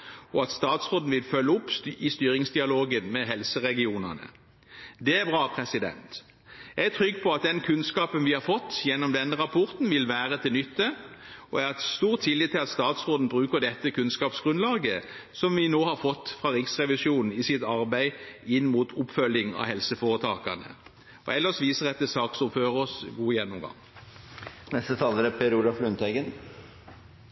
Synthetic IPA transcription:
ɔɑt̪st̪ɑːt̪sʁoːd̪n̩ʋɪlfœlːəʊpːɪst̪yːɾɪŋsd̪ɪɑloːɡənmɛɦɛlsəʁɛɡɪuːnə̰nə̰ | d̪ɛæbʁɑːpʰʁɛsɪd̪ɛ̰nt̪ | jæɡæt̪ʰʁʏɡːpʰɔɑt̪̚d̪ɛnkʰʉnskɑːpənʋɪhɑɾfɔt̪ːjɛnːɔmd̪ɛnːəʁɑpʰɔʁt̪n̩ʋɪlʋæːʁət̪ʰɪlnʏt̪ːə | ɔæʁɛst̪uːʁt̪ʰːɪlːɪt̪ʰːɪlɑt̪st̪ɑːt̪sʁoːd̪n̩bʁʉːkəd̪ɛt̪ːəkʰʉnskɑːpsɡ̥ʁʉnlɑːɡə | sɔmʋɪnoːhɑɾfɔt̪ːfʁɑːɾɪksʁɛʋɪsjuːnn̩ɪsɪt̪ɑʁbæɪɪnːmuːt̪ʰʊpfœlːɪŋɑ̰hɛlsəfɔːʁət̪ʰɑːkɑnə̰ | ʔɔ̰ɛlːəʁɔsʋiːsəʁɛt̪ːəsɑːksʊføːʁɔsɡuːjɛnːʊmɡɑ̰ŋ | nɛst̪ət̪ʰɑːləɾəpʰeɾuːlɑflʉnt̪ʰɛɡən

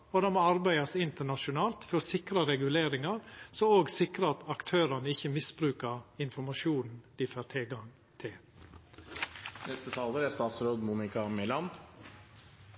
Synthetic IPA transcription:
ɔd̪ɛmɔɑɾbæɪɑsɪnt̪əɳɑʂʊnɑːlt̪fɔɾɔsɪkɾɑɾɛɡʉleːɾɪŋɑɾsɔoːɡsɪkɾəɑt̪ɑkt̪ʰøːɾɑnəɪçəmɪsbɾʉːkɑɾɪnfɔmɑʃuːnn̩d̪̥ɪføːɾt̪ʰɛlɡɑŋ | t̪ʰɪl | nɛst̪ət̪ʰɑːləɾæst̪ɑːt̪sɾoːd̪muːnɪkɑmɪlɑːn

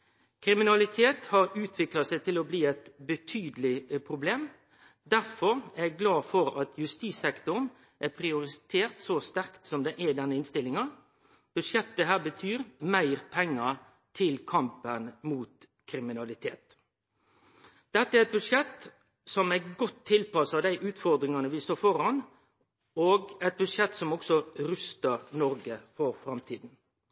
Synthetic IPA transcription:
kʰɾɪmɪnɑlɪt̪ʰeːt̪hɑɾʉːt̪ʰʋɪklɑsæɪt̪ʰɪlɔbliːɛt̪bət̪ʰyːd̪əlɪpʰɾʊbleːm | d̪æɾfɔɾæɛɡɡlɑːfɔɾɑt̪ʰjʉst̪iːsɛkt̪ʊʁən | ʔæpʰɾɪʊɾɪt̪ʰeːʁt̪sost̪æɾkt̪sɔmd̪ɛʔæd̪ɛnːəɪnst̪ɪlːɪŋɑ | b̥ʉdʂjɛt̪ːəɦæːbət̪ʰyːɾmæɪɾpʰɛŋːɑ | t̪ʰɪlkʰɑmpənmuːt̪ | kʰɾɪmɪnɑlɪt̪ʰḛːt̪ | d̪̥ɛt̪ːəɛæɾɛt̪̚bʉd̪ʂɛt̪ | sɔmæɡɔt̪ʰːɪlpɑsɑd̪æɪʔʉːt̪fɔɾd̪ɾɪŋɑnəʋɪst̪oːfɔɾɑn | oːɡɛt̪̚bʉd̪ʂɛt̪ːsɔmɔksɔɾʉst̪əɾnɔɾɡəfɔɾfɾɑmt̪ʰiːd̪n̩

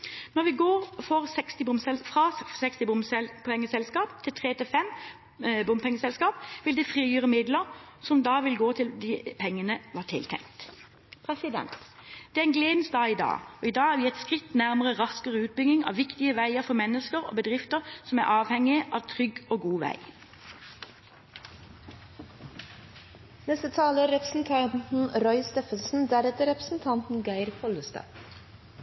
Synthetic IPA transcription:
nɔʁʋɪɡoːʁfɔʁsɛkst̪ɪbʊmsɛlfʁɑsɛkst̪ɪbʊmsɛpʰɛŋːəsɛlskɑːpt̪ʰɪlt̪ʰʁeːt̪ʰɪfɛm | bʊmpʰɛŋːəsɛlskɑːpʋɪld̪ɛfʁiːjyːʁəmɪd̪ləɾsɔmd̪ɑːʋɪlɡoːt̪ʰɪld̪ipʰɛŋːənəʋɑːʈ̪ʰɪ̰lt̪ʰɛ̰ŋt̪ | pʰɾɛsɪd̪ɛ̰nt̪d̪̥ɛæɛnɡleːd̪nst̪̚d̪ɑːɪd̪ɑ̰ːoːiːd̪ɑːhæːʁʋiːɛt̪skʁɪt̪ːnæʁməʁəʁɑskəʁəʉːt̪̚bʏɡ̪ɪŋɑ̰ːʋʋɪkt̪ɪəʋæɪəʁfɔmɛnəskəʁo̰ːbəd̪ʁɪft̪əʁsɔmæ̰ːʁʔɑːʋhɛŋɪəʔɑːʋt̪ʰʁʏɡoːɡuːʋæ̰ɪ | nɛst̪ət̪ʰɑːləɾɛpɾəsn̩t̪ʰɑnt̪n̩ɾɔʏst̪eːfənsn̩d̪æɾɛt̪əɾɛpɾə̥sn̩t̪ʰɑnt̪n̩ɡæɪɾfʰɔləst̪ɑ̰

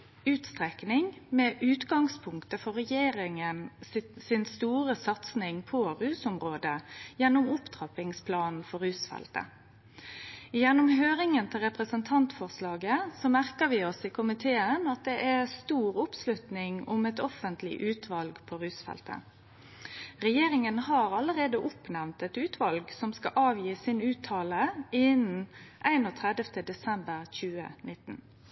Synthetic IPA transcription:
ʉːt̪st̪ʁɛknɪŋmɛːʔʉːt̪ɡɑŋspʰʊŋkt̪əfɔʁɛjeːɾɪŋənssɪnst̪uːʁəsɑt̪snɪŋpʰɔʁʉːsʊmʁoːd̪əjɛnːʊmʊpd̪̥ʁɑpɪŋspʰlɑːnn̩fɔʁʉːsfɛ̰lt̪ə̰ | jɛnːʊmɦøːʁɪŋənt̪ʰɪlʁɛpʁəsənt̪ʰɑnt̪fɔʁslɑːɡəsɔmæʁkəʋɪɔsɪkʰʊmɪt̪ʰeːənɑt̪̚d̪ɛʔæst̪uːʁʊpslʉt̪nɪŋʊmɛt̪ɔfənt̪lɪ̰ʔʉːt̪ʰʋɑlɡpʰoɾʉːsfɛ̰lt̪ə̰ | ʁɛjeːʁɪŋənhɑːɾɑləɾeːd̪əʔʊpnæʋnt̪ɛt̪ʉːt̪ʰʋɑlɡsɔmskɑʔɑːʋjiːsɪnʉːt̪ʰːɑːləɪn̩ʔæɪnoːt̪ʰʁɛd̪əft̪əd̪ɛsɛmbəʁçʉːə̰nɪt̪ːn

